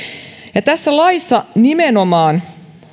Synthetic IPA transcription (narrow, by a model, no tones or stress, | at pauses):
jɑt̪æsːælɑijsːɑnimenomɑːn